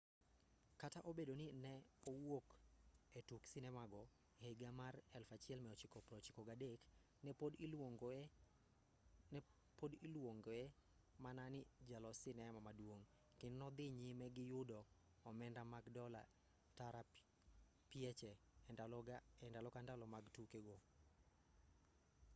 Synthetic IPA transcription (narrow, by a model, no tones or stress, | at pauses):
kataʔobedonɪnɛowoketuksɪnɛmaɡɔ | heɡamarɛlfat͡ʃɪɛlmɛɔt͡ʃɪkɔpɾɔt͡ʃɪkɔɡadek | nɛpdŋɡ | podɪlwoŋɡɛ | mananɪd͡ʒalɔsɪnɛmamadwoŋ | kɪnnɔd̪ɪɲɪmɛɡɪjʊdɔː | mɛndamaɡdɔla̰ | taɾa | piɛt͡ʃɛɛdalɔɛndalɔkandalɔmaɡtukeɡo